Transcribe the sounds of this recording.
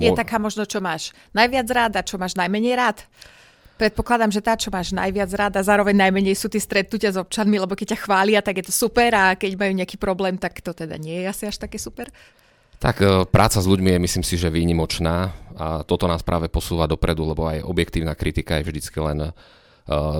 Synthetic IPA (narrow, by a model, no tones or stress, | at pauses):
jɛt̪akaːmɔʒnɔt͡ʃɔmaːʃ | najʋɪad͡zɾaːd̪at͡ʃɔmaːʒnajmɛɲɛjɾaːt̪ | pɾɛt̪̚pɔklad̪amʒɛt̪aːt͡ʃɔmaːʒna̰jʋɪad͡zɾaːd̪azaːɾɔʋɛɲnajmɛɲɛjsuːt̪iːst̪ɾɛt̪̚nucɪazɔp̚t͡ʃanmilɛbɔkɛc̚caxʋaːlɪat̪aɡjɛt̪ɔsupɛɾakɛɟmajuːɲɛakiːpɾɔblɛːmt̪akt̪ɔt̪ɛd̪a̰ɲɪɛjɛasiaʃt̪akɛːsupɛɾ | t̪a̰kpɾʔa̰ːt͡sazʎuɟmijɛmisliːmsiʒɛʋiːɲimɔt͡ʃnaːat̪ɔt̪ɔnaːspɾʔaːʋɛpɔsuːʋad̪ɔpɾɛd̪ulɛbɔa̰jɔ̰bjɛk̚t̪iːʊnakɾit̪ikajɛvʒd̪it͡skilɛ̰n